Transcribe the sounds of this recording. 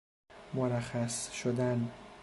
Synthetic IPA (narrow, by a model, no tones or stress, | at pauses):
moɾæxæsʃod̪æn